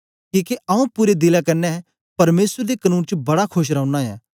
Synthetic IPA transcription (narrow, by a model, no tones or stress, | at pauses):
kĩːkeʔɐũpuːɾed̪ɪlakɐɾnɛ | pɐɾmeːsəɾd̪ekɐnuːnt͡ʃbɐɽakʰʊʃ̬ɾãʊ̃naɛ̰ː